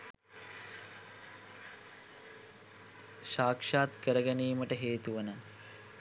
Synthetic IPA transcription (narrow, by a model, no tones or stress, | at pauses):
ʃaːkʂaːt̪kəɾəɡæniːməʈəɦeːt̪uʋənə